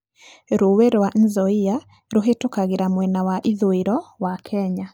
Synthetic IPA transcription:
ɾoweɾwan̩zɔia | ɾoɦetokaɣeɾamwɛnawaʔiðoeɾɔwakʰɛɲa

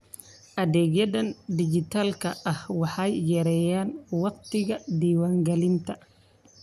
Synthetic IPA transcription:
ʔɐðɛːɡjɐðɐnd̪ɪd͡ʒɪt̪ʰaːlkʰɐɐhwɑħɑjːɛɾɛːjaːnwɑqt̪ʰɪɣɐd̪iːwaːŋɡɐlɪnt̪ʰɐ

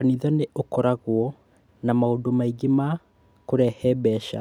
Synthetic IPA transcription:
aniðɔneʔokɔɾaɣwɔ | namaondomaiɡema | koɾɛhɛbɛʃa̰

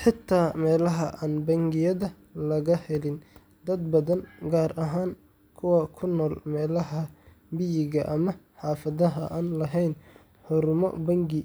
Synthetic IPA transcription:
ħɪt̪ʰaːmɛːlɐɦɐʔaːnbɐŋɡɪjɐðɐ | lɐɣɐhɛlɪn | d̪ɐd̪̚bɐðɐnɡaːrʔɐɦaːŋ | kʰʊwɐkʰʊnɔːlmɛːlɐɦɐ | bɪjɪɣɐʔɐmɐħɑːfɐðɐɦɐʔaːnlɐɦɛjn | ħʊɾmɔ̰bɐŋɡɪ

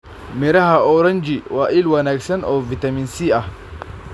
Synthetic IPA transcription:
mɛɾɐhaʔɔɾɐnd͡ʒiwaːʔɪlwɐnɐksɐnɔvɪt̪ɐmɪnsiːʔɐ

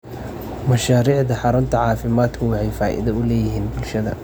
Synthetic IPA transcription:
mɐʃaːɾiːʕðɐħɑɾʊnt̪ʰɐʕɑːfɪmaːd̪kʰʊwɑħɛjfaːʔɪ̰ðɐʊlɛːjɪɦiːnbʊlʃɐðɐ̰

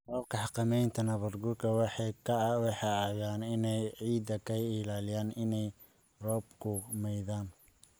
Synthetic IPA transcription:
rɔːbkʰɑħqɑmɛjnt̪ʰɐnɐβɐrɡʊrkʰɐwɑħɑjkʰɐwɑħɑjaːɣaːnɪnɛjʕiːd̪ɐkʰɐɪlaːlɪjaːnɪnɛj | rɔːb̚kʰʊmɛjðaːn

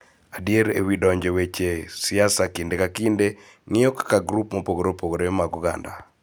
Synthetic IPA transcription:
adieɾḛwidɔɲd͡ʒewet͡ʃesɪasakindekakɪnde | ŋɪɔkḁkaɡɾupmopoɡoɾopoɡoɾemaɡuɡa̰nda̰

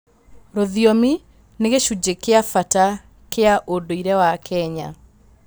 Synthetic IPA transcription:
ɾoðjɔmi | neɣeʃud͡ʑekeafata | keaʔodoiɾɛwakʰɛɲa̰

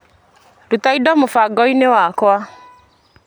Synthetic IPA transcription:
dotaidɔmofaɡɔinewakwa

